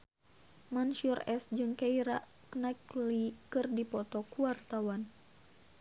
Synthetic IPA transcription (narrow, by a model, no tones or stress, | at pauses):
mansurɛsd͡ʒɨŋkaiɾa | knaklikɨrdipɔt̪ɔkuwart̪awan